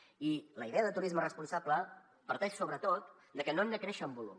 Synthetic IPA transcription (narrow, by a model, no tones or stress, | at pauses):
iləiðeəðət̪uɾizmərəspunsablə | pəɾt̪ɛʃsoβɾət̪ot̪ | d̪əkənonːəkɾɛʃəmbulṵm